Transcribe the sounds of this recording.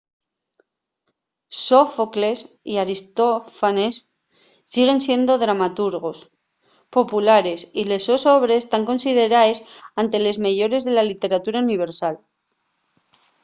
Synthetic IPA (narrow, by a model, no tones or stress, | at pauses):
sofokle̞s | iaɾist̪o̞fanesː | iɣ̞e̞nsje̞nd̪o̞ðɾamat̪uɾɣ̞o̞s | po̞pulaɾe̞sile̞so̞so̞βɾe̞st̪aŋko̞nsið̞e̞ɾaesant̪e̞le̞zmeʝo̞ɾe̞zðe̞lalit̪e̞ɾat̪uɾauniβ̞e̞ɾsal